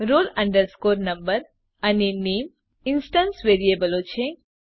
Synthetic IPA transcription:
ɾoːlɐ̃ɳɖəɾskoːɾnɐmbəɾ | ɐnineːm | insʈɐ̃nsʋeɾiebəlot͡ʃʰe

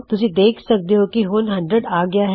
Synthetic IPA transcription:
t̪ʊsĩd̪eːkʰsɐk̚d̪eɦokiɦoːnɦɐ̃ɳɖɾəɖaːɡɐjaɦ

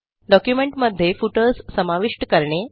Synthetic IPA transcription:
ɖɔkjumeɳʈməd̪ʱːjefuʈəlssəmaʋiʂʈkəɾɳe

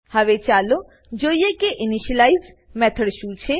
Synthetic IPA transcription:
həʋet͡ʃalo | d͡ʒoiekeʔɪniʃəlaiz | mɛt̪ʰəɽʃũt͡ʃʰe

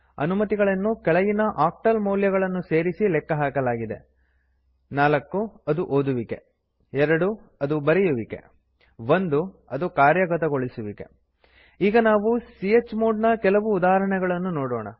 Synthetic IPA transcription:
ɐ̰numɐt̪iɡɐɭɐnːukɛɭɐjinɐʔaːk̚ʈɐlmɐwljɐɡɐɭɐnːuse̞ːɾisilɛkːɐɦaːkɐlaːɡid̪e̞̰ | naːlɐkːuɐd̪uʔoːd̪uʋike | ɛɾɐɽu | ɐd̪ubɐɾɛjuʋike̞̰ | ʋond̪uɐd̪ukaːɾjɐɡɐt̪ɐɡo̞ɭisuʋikḛ | iːɡɐnaːʋusijet͡ʃːmoːɖnɐkɛlɐʋuːd̪aːɦɐɾɐɳɛɡɐɭɐnːunoːɽɔːɳɐ̰

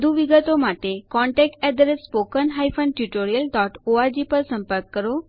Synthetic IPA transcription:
d̪ʱuʋiɡət̪omaʈekɔ̃ɳʈɛk̚ʈɛd̪ɾesːpokənɦajfənʈjuʈoɾijəlɖɔʈoaɾd͡ʑipəɾsə̃mpəɾkːəɾo

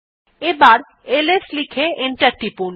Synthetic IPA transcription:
ebaɾ | eleslikʰeeɳʈaɾʈipul

